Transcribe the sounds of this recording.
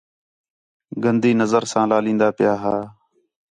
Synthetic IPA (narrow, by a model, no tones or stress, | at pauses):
ɡənd̪iːnəzəɾsãːlaːlĩːnd̪aːpɪjaːɦaː